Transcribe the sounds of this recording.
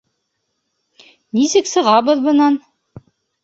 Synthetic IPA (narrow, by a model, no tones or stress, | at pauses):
nisɘksɤ̆ʁɑβɤðbɤ̆nɑn